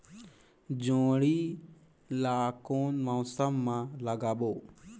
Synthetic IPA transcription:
d͡ʒõːɽiː | laːkoːnməʊsəmːãːləɡaːɓoː

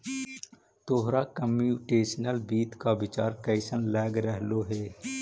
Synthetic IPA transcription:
t̪oːɦɾakəmuːʈeːsnəlbiːt̪kabɪt͡ʃaːɾkəɪsənlɛːɡɾəɦloɦeː

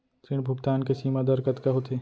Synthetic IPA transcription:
t̪ɾɪɽ̃bʱʊkt̪aːnkesiːmad̪ɐɾkɐt̪kaɦot̪ʰeː

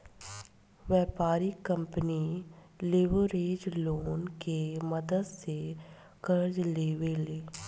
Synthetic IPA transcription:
ʋɛːpaːɾikə̃mpəni | leːʋəɾeːd͡ʒloːnkemɐd̪əd̪se | kəɾd͡ʒleːweleː

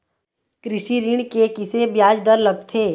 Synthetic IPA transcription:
kɾɪsiɾɪɳkekɪsebjaːd͡ʒd̪əɾləɡ̚t̪ʰeː

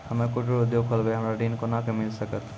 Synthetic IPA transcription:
həmekoʈɾoud̪joɡkʰolbeɦəmɾaɖinkonakemilsəkət̪

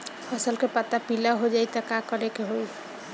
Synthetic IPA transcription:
əsəlkepat̪ːapilaɦod͡ʒajt̪əkakəɾekeɦoj

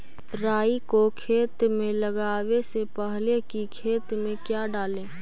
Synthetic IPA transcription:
ɾaːikokʰeːt̪mẽləɡaːwesepəɦlekikʰeːt̪mẽkjaɖaːlẽː

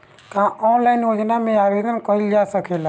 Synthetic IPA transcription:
kãːʔɔːnlaːɪnjoːd͡ʒnamẽaːʋeːd̪ənkɔild͡ʒaːsəkʰeːlaː

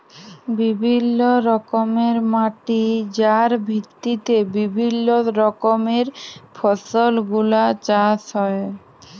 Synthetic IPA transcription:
bibʱinːoɾɔkomeɾmaʈid͡ʑaɾbʱit̪ːit̪ebibʱinːoɾɔkomeɾfʰɔsolɡulat͡ɕaʃɦɔe

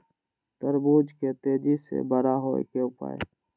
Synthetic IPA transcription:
t̪əɾbuːd͡ʒket̪eːd͡ʒisḛbəɾaɦoːḛkeʊpa̰ːḛ

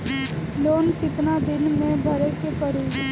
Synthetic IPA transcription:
loːnkɪt̪nad̪ɪnmẽbʱəɾekepəɽ̤iː

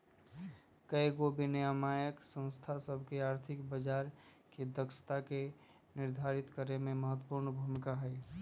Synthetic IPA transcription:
kəiɡobinejəmaːjəksə̃nst̪ʰasəbʱkeaːɾt̪ʰɪkbəd͡ʒaːɾ | kid̪əkʃə̥t̪ake | nɪɾd̪ʱaɾɪt̪kəɾemẽməɦət̪wəpuɾnbʱumkaɦɛː

